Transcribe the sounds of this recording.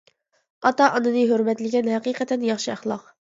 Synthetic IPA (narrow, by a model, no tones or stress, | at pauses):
ɑt̪ɑʔɑnɨnɨɦøɾmɛt̪lɪɡʲɛnhæqiːqɛt̪ʰɛnjɑχʃɨæχlˠɑq